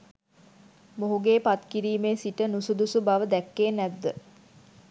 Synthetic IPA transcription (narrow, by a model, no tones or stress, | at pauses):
moɦuɡeːpat̪kiɾiːmeːsiʈənusud̪usubaʋəd̪ækːeːnæd̪ːə